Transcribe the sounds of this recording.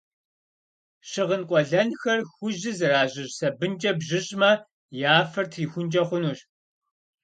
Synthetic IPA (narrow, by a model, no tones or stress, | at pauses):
ɕɪʁənqʷʼɔɮɐnxɐrxʷʊʑɪzɨraːʑɪɕsɐbɨnt͡ʃʼɐbʑɪɕʼmɐ | jaːfɐrtʰriːxʷʊnt͡ʃʼɐχʷʊnuːɕ